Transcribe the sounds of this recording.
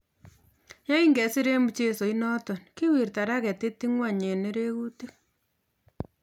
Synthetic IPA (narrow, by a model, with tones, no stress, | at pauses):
ja˦i˦ŋɡɛ˨si˦ɾe˦mu˨t͡ʃe˦so˨inɔ˦tɔ˨nki˦wi˨rta˨ɾa˦kɛ˨te˦ti˦ŋwa˦ɲe˨ne˦ɾe˦ɣu˦ti˦k̚